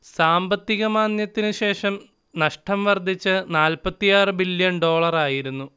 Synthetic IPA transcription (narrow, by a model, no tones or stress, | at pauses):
saːmbɐt̪ːiɣɐmaːnjɐt̪ːinɨɕe̞ːʂɐm | nɐʂʈʰɐmʋɐrd̪ʱit͡ɕːɨnaːlpɐt̪ːijaːrɨbiljɐnɖo̞ːɭɐraːjiɾunːu